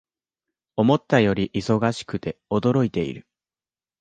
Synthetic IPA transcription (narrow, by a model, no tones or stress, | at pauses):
o̞mo̞t̪ːajo̞ɾʲiʔiso̞ɡaɕi̥kɯ̟t̪e̞o̞d̪o̞ɾo̞it̪e̞ḭɾɯ̟